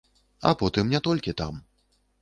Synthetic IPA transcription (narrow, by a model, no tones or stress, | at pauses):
ɐ̰pɔt̪ɨmnʲɛt̪ɔlʲkʲit̪a̰m